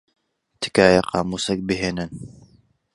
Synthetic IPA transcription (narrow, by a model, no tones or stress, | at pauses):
t̪ʰɨ̥kaːjaqʰɑːmuːsɐk̚bɨɦeːnɨn